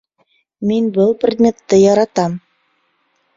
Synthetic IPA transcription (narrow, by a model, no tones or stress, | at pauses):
minbɤlˠprʲed̪ʲmʲet̪ːɘjɑɾɑt̪ɑm